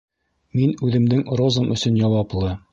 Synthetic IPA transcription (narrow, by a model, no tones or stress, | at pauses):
minʉðɘ̆md̪ɘŋrozɤmʔɵ̆sɵnjɑwɑplˠɤ